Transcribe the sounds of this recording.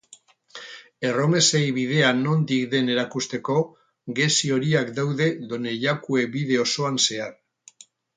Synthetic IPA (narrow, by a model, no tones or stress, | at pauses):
e̞ro̞me̞sejβið̞e̞ano̞nd̪ikd̪e̞ne̞ɾakust̪e̞ko̞ | ɡe̞sio̞ɾiakd̪awðe̞ðo̞ne̞ʎakue̞biðe̞o̞so̞anse̞aɾ